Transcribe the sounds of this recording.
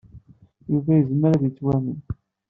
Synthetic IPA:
juvæjəzməɾæðit͡sːwæmən

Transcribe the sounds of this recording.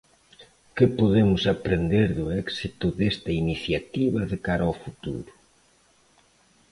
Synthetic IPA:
kɪpoðemʊsapɾend̪eɾðʊɛksit̪ʊðest̪ɐiniθjat̪iβɐðekaɾaofut̪ṵɾʊ

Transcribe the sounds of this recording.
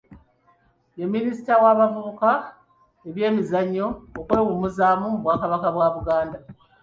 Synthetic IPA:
emːinisi̥tawaːβavuβuka | e̞βje̞ːmizaɲːo̞ːkweːwumuzaːmumuβwaːkaβakaβwaːβuɡaːnda

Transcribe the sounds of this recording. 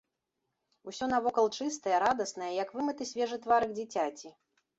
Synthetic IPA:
usʲɔnɐvɔkɐlˠt͡ʂɨst̪ɐjɐɾad̪ɐsnɐjɐjɐkvɨmɨt̪ɨsʲvʲɛʐɨt̪vaɾɨɣd͡zʲit͡sʲat͡sʲi

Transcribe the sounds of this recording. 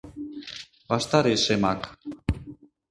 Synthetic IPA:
bast̪aɾesemak

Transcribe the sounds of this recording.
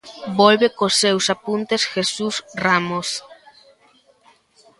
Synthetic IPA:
bolβekosːewsapunt̪esxesusramos

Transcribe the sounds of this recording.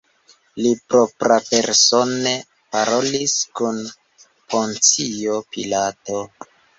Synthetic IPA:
lipɾo̞pɾape̞ɾso̞ne | paɾo̞liskun | pʰo̞nt͡sio̞pilato̞

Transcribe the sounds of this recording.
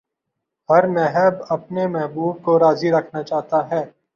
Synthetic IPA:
hɐɾmɛɦɛbɐpnemɛɦbuːb̚koɾaːziɾɐkʰnat͡ʃaːɦt̪aɦɛː

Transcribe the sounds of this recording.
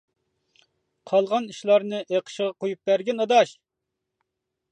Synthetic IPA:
qʰɑlˠʁɑniʃlˠɑɾnɨʔeqʰə̥ʃəʁɑqʰojup̚bæɾɡʲɛnɑd̪ɑʃ

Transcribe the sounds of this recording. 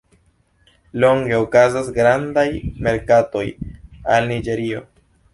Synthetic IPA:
lo̞ŋɡe̞okazasɡɾandajme̞ɾkato̞jalnid͡ʒe̞ɾio̞

